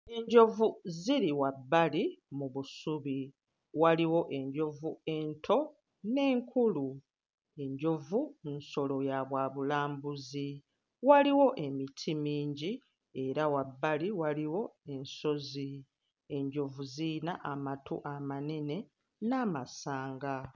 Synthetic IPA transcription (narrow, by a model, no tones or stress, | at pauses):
e̞ɲɟo̞vuziɾiwabːalimuβusuβi | waliwo̞ʔe̞ɲɟo̞vue̞ntʰo̞ | ne̞ːŋkʰulu | e̞ɲɟo̞vunso̞lo̞jaβwaːβulaːmbuzi | waliwo̞ʔe̞mitʰimiːɲɟi | e̞ɾawabːaliwaliwo̞e̞nso̞zi | e̞ɲɟo̞vuzinaʔamatṵʔamane̞ne̞ | namasaːŋɡa